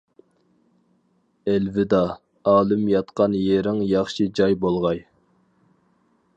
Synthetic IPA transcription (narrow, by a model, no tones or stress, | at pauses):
ælvɪd̪ɑ | ɑːlˠɨmjɑt̪qɑnjeɾɪŋjɑχʃɨd͡ʒɑjbolˠʁɑj